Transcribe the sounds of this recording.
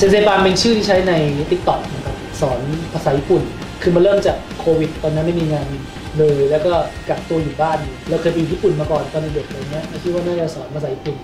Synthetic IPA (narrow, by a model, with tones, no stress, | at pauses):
t͡ɕe˧seː˧baː˧npe˧nt͡ɕʰɯː˥˩t̪ʰiː˥˩t͡ɕʰa˦˥jna˧jt̪i˦k̚t̪ɔ˨˩k̚na˦˥kʰa˦˥p̚sɔː˩˦npʰa˧sa˨˩˦ji˧˦˥pu˨˩n | kʰɯː˧ma˧nlɤː˥˩mt͡ɕa˨˩kʰːoː˧wi˨˩t̪ːɔː˧nːi˦˥˩ma˥˩jmiː˧ŋaː˧n | lɤː˧jlɛː˦˥wkɔː˥˩ka˨˩p̚t̪u˧ɐjuː˨˩baː˥˩nju˨˩lɛ˧wkʰɤː˧jpa˧ju˨˩ji˦˥˩pu˨˩nmaː˧kɔː˨˩nk̪ɔː˧nle˧di˨˩ək̪̚laː˨˩ni˦˥ɐma˥˩jt͡ɕʰi˥˩waː˥˩naː˥˩ɾa˧˩wsɔː˩˦npʰa˧aː˨˩˦ji˦˥˩pu˨˩n